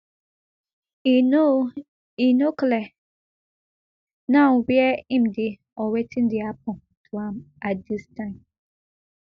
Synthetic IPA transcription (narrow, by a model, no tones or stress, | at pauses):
o | inoklɛ | nãbiɛĩmde | ɔwetʰĩndiap̚ʰɔ̃ | tʰuãmatdistãɪ̃m